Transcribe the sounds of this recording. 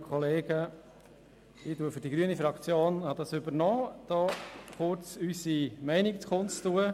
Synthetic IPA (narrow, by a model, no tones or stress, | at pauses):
kʰχɔleːɡ̥ə | ɪtuəfʏɾd̥iɡɾyənifɾɑkt͡sjoːnhɑd̥̪ɑsʏbəɾnɔːd̪̥ɔːχʊɾt͡sysimɛɪnikt͡skʰʊntuə